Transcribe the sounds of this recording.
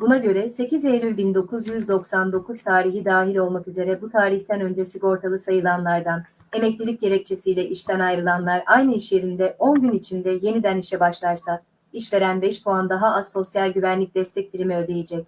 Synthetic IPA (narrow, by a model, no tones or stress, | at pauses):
bunaɟø̞ɾɛse̞cʰizejɾʲylʲbind̪o̞kʰuzjyzd̪o̞ksand̪o̞kʰuz̥t̪ʰaːɾiɦid̪aːɦilʲo̞lˠmakyze̞ɾɛbut̪ʰaːɾiçt̪ʰɛnø̞nd͡ʒe̞siko̞ɾt̪ʰalˠɯsajɯlˠanlˠaɾd̪an | e̞mɛclʲilʲic̚ɟe̞ɾɛc̚t͡ʃʰe̞sijlʲɛʔiʃt̪ʰænajɾɯlˠanlˠaɾʔajnɯiʃje̞ɾind̪ɛʔo̞nɟynit͡ʃʰind̪ɛje̞nid̪æniʃɛbaʃlˠaɾsa | iʃve̞ɾænbɛiʃpʰoand̪aɦaazso̞sjalʲɟyvænlʲic̚d̪ɛst̪ʰɛc̚b̪iɾimɛøːd̪e̞jed͡ʒɛc̚